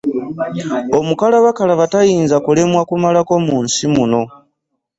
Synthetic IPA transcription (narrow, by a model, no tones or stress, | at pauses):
o̞mukalaβakalaβatajiːnzakule̞mwakumalako̞muːnsimuno̞